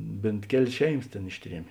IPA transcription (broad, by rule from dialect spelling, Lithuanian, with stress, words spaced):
ˈbʲeːnt ˈkʲæːlʲeːs ˈʃʲɛɪˌmɐs tʲeːn ˈɪʃʲˌtʲrʲiɛmʲeː